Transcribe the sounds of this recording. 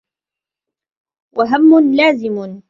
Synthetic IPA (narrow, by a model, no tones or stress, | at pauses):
wʔaɦamːʊnlaːzɪmʊ